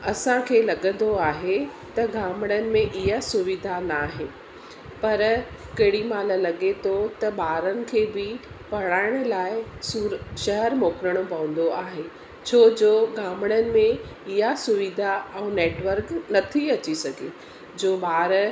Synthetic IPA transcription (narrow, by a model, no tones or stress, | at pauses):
ɐsãkʰeːlɐɠə̃nd̪oaːɦe | t̪ɐɡaːməɽ̃ənɪ̆mẽʔɪɦasʊʋɪd̪ʱanaːɦe | pɐɾ | kɐɦɪɽimaːləlɐɠet̪ʰot̪ɐɓaːɾənɪ̆kʰeːbɪ | pɐɽ̃aːɪɽ̃ʊlaːɪsɾʃɐɦəɾmoːkɾəɽ̃pɐ̃ʋə̃n̆d̪oaːɦe | t͡ɕʰoːd͡ʑoːɡaːməɽ̃ənɪ̆mẽ | ɪɦasʊʋid̪ʱaɛ̃neːʈʋəɾknɐt̪ʰiɐt͡ɕisɐɡʱe | d͡ʑoːɓaːɾ